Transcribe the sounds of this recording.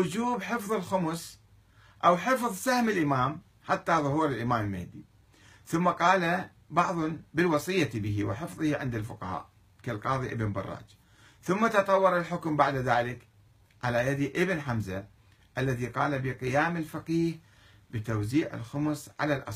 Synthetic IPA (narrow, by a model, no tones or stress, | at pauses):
ʊd͡ʒuːbħɨfðˤɨlxʊmʊs | ʔawħɨfðˤsahmɪlʔɪmaːm | ħat̪ːaðˤʊɦuːɾɪlʔɪmaːmɪlmɪhd̪i | θʊmːaqɑːla | bɑʕðˤbɪlwɑsˤɨjːabɪɦiwɪħɪfðˤɨhiʕɪnd̪alfʊqɑha̰ːʔ | kalqɑːðˤiʔɪbnbɑ̰rˤːɑ̰ːd͡ʒ | θʊmːat̪ɑt̪ˤɑwːɑɾˤalħʊkmbaʕd̪ðaːlɪk | ʕalajad̪iʔɪbnħamza | ʔalːaðiqɑːlabɪqɪjaːmɪlfaqiːh | bɪt̪awziːʕɪ̰lxʊmʊsʕa̰lalʔɑ̰s